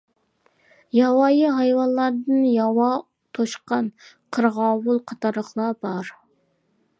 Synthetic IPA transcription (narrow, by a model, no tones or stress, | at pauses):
jɑwɑjəɦɑjwɑnlˠɑɾd̪ɨnjɑwɑ | t̪ʰoʃqɑn | qʰəɾʁɑwulˠqʰɑt̪ʰɑɾəχlˠɑbɑɾ